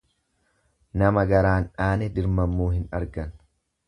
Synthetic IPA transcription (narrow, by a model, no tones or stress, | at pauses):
nɐmɐɡɐɾaːnᶑaːnɛd̪ɪɾmɐmːuːɦɪnɐɾɡɐn